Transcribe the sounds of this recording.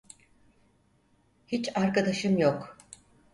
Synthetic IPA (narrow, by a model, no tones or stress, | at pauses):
hit͡ʃaɾkad̪aʃɯmjok